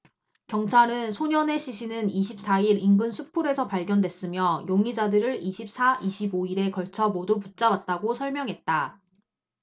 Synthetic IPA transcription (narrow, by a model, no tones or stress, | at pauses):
kjʌŋt͡ɕʰaɾɯnsʰoɲʌne̞ɕʰiɕʰinɯniɕʰip̚s͈aiɾinɡɯnsʰupʰuɾe̞sʰʌpaɭɡjʌndwe̞s͈ɯmjʌjoŋid͡ʑadɯɾɯɾiɕʰip̚s͈ʰaʔiɕʰiboiɾe̞kʌɭt͡ɕʰʌmoduput̚t͡ɕ͈awat̚t͈aɡosʰʌɭmjʌŋɦe̞t̚t͈a